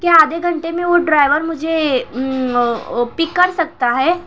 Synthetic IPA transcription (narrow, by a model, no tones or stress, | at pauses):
kjaaːd̪eɡʱɐ̃ɳʈemẽʋoɖɾaːɪʋəɾmʊd͡ʒʱe | pɪkːɐɾsɐk̚t̪aɦɛː